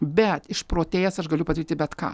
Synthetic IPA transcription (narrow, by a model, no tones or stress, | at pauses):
bʲɛt̪ɪʃpɾoːt̪ʲeːjɛsɐʃɡɐlʲʊpɐd̪ɐɾʲiːt̪ʲɪbʲɛt̪kɑ̰ː